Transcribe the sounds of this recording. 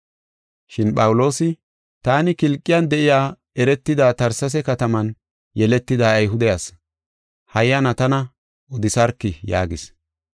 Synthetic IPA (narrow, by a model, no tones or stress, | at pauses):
ʃɪnɓɐwʊlo̞ːsɪ | t̪aːnɪkɪlkʼːɪjɐnd̪ɛʔɪjaː | ɛɾɛt̪ːɪd̪aːt̪ɐɾsɐs̬ɛkɐt̪ɐmɐn | jɛlɛt̪ːɪd̪aːjɦʊd̪ɛjas | hɐjːɐnɐt̪ɐnɐ | ɔd̪ɪsɐɾkːɪja̰ːɡɪs